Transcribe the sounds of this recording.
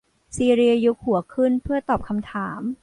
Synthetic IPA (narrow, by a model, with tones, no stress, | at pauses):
siː˧ɾi˧ju˦˥k̚hu˨˩˦ɐkʰɯ˥˩npʰɯ˥˩ɐt̪ɔː˨˩p̚kʰa˧mt̪ʰaː˩˦m